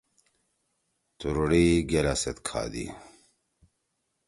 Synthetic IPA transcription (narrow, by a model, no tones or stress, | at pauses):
t̪uɾuɽiɡelaset̪kʰa̰ːd̪ḭ